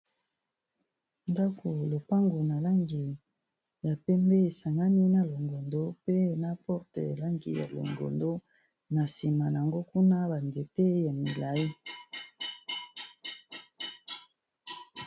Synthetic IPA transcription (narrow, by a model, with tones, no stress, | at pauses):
nda˦kʰo˨lo˨pa˦ŋɡo˨na˨la˦ŋɡi˨ | ja˨pɛ˦mbe˦e˨sa˨ŋɡa˦ni˦na˦lo˨ŋɡo˨ndo˦pe˦na˦pɔ˦ʁte˨la˦ŋɡḭ˨ja̰˨lo̰˨ŋɡo̰˨ndo˦ | na˨si˨ma˨ja˨ŋɡo˦ku˦na˦ba˨nde˨te˦ja˨mi˨la˨i˦